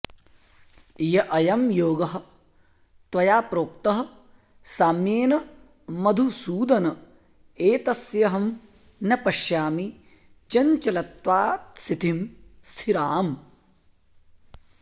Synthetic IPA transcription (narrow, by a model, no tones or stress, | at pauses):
jɐʔɐjɐmjoːɡɐɦɐ̆ | t̪wɐjaːpɾoːkt̪ɐɦɐ̆ | saːmjeːnɐ | mɐd̪ʱusuːd̪ɐnɐ | eːt̪ɐsjɐɦɐm | nɐpɐʃjaːmi | t͡ʃɐɲt͡ʃɐlɐt̪ʋaːt̪sit̪imst̪ʰiɾaːm